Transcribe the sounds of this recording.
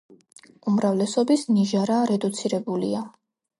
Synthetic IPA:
umɾavlɛsɔbisniʒaɾaɾɛd̪ut̪sʰiɾɛbulia

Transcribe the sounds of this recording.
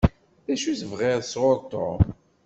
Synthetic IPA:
ðæʃuθəvʁɪʁswoɾt̪ˤo̰m

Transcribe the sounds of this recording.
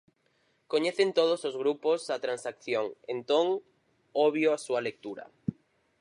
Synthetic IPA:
koɲeθent̪oð̞osozɣɾupozat̪ɾansakθjoŋent̪oŋ | oβjoasuɐlek̚t̪uɾɐ̰

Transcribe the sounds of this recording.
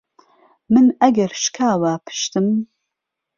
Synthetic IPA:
mɨnʔɐɡɐɾʃkʰaːwaːpʰɨ̥ʃt̪ɨm

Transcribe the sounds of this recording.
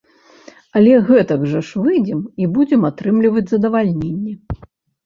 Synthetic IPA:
ɐlʲɛɣɛt̪ɐɡʐɐʂvɨd͡zʲɛmibud͡zʲɛmat̪ɾɨmlʲivɐd͡zʲzɐd̪ɐvalʲnʲenʲːɛ

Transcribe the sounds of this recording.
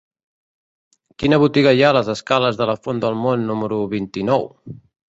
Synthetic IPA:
kinəβ̞ut̪iɣəjaləzəskaləzðələfond̪əlˠmonːuməɾuβint̪inɔw

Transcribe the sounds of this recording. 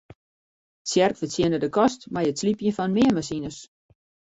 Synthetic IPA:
sjɛrkfətʰjɪnədəkʰɔstmajətslipjənfɔnnmɪəmasinəs

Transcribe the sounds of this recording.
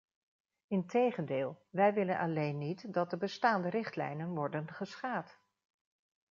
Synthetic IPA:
ɪntejχəndɪːlˠʋɛjʋɪlənʔɑlejnːitdɑt̚dəbəstaːndəɾɪχtlɛ̰jnənʋɔɹdənχəsχaːt

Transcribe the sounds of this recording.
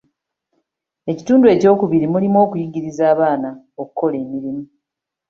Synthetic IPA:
e̞ci̥tuːndue̞ːco̞ːkuβiɾimulimwo̞ːkujiɟiɾizaːβaːna | okuko̞le̞ːmiɾimu

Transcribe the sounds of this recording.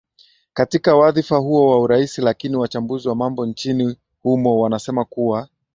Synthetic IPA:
katikawaðifaɦuɔwauɾaisilakiniwat͡ʃambuziwamambɔnt͡ʃini | humɔwanasɛmakuwa

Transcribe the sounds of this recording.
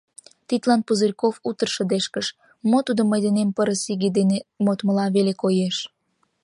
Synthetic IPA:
t̪it̪lɑnpuzərʲkofut̪ərʃə̆d̪eʃkəʃ | mot̪ud̪oməjd̪enempəɾəsiɣed̪enemot̪məlɑβelekojeʃ

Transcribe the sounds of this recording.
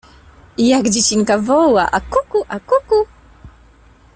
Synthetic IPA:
ijakd͡ʑit͡ɕiŋkavowaʔakukuʔakuku

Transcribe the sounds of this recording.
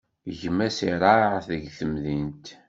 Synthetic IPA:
ʝəmːæsiɾˤɑʕθəʝθəmðint̪

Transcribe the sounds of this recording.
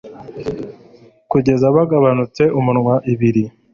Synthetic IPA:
kuɟe̞zaβaɡaβanut͡se̞ʔumunŋwaʔiβiɾi

